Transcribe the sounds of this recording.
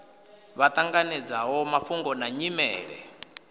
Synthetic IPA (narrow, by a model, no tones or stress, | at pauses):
βat̪ʼaŋɡanɛd͡zaɦɔmafuŋɡɔnaɲimɛ̰ːɺɛ̰